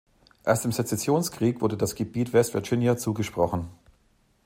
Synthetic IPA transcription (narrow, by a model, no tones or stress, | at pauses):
ʔeːɐstɪmzet͡sɛsjoːnskʁ̥iːkv̥ʊɐdədasɡ̥əbiːtv̥ɛstv̥ɛɐd͡ʒɪnjat͡suːɡəʃpʁ̥ɔχn̩